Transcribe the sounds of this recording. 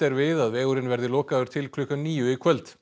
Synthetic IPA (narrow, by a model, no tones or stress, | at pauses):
t̪ɛɾvɪðaðvɛːɣʏɾɪnvɛɾðɪlɔːkaðʏɾ̥t̪ʰɪlkʰlʏkamniːjʏikʰœlt̪